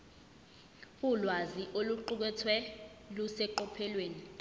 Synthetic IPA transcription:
ulwaziʔoluǃuk̬ɛtʰwɛ | lusɛǃɔpʰɛlweːni

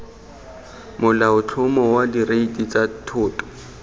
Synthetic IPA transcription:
mʊlaʊt͡ɬʰʊmɔwadireitʼit͡sʼatʰʊːtʼɔ̥

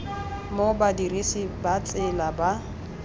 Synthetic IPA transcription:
mobadirisibat͡sʼɪlaba

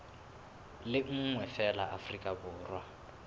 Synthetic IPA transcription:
lɪŋ̩ŋwɛfɛlaʔafrikʼabʊːrwa

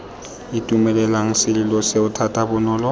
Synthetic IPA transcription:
ɪtʼumɛlɛlaŋ̩sɪlɪlɔseʊtʰatʼabʊnɔːlɔ

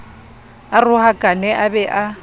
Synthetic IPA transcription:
arʊhakʼanɛʔabɛʔa

